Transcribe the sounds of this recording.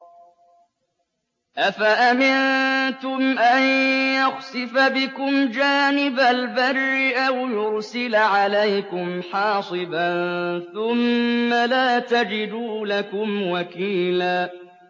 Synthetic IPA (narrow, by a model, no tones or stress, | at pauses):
ʔafaʔamɪnt̪ʊmʔanjaɣsɪfabɪkʊmd͡ʒaːnɪbalbarːɪʔawjʊɾsɪlʕalajkʊmħɑːsˤɨbanθʊmːalaːt̪ad͡ʒɪd̪uːlakʊmwakiːlaː